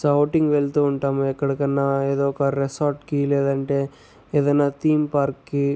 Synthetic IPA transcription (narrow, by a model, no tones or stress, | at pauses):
sɐwʈiŋɡʋelt̪uuɳʈaːmɐɛkːɐɽikɐnːaːeːðoːkaɾɾesaːɾʈkileːðɐɳʈe | eːðɐnːaːt̪iːmpaːɾkːi